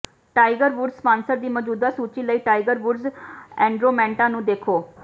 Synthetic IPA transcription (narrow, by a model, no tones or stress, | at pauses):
ʈaːɪɡəɾʋʊɖspãːnsəɾd̪iːməd͡ʒuːd̪aːsuːt͡ʃiːləiːʈaːɪɡəɾʋʊɖzɛ̃ːɳɖɾoːmɛ̃ːɳʈãːnũːd̪eːkʰoː